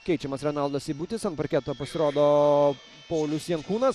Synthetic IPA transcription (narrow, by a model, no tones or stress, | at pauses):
kʲɛɪt͡ʃʲɛmɐsɾʲɛnɐlˠd̪ɐsiːbʊt̪ʲɪsɐnpɐɾʲkʲɛt̪oːpɐsʲɪɾoːd̪oː | pɐʊlʲʊsjɛŋkuːnɐs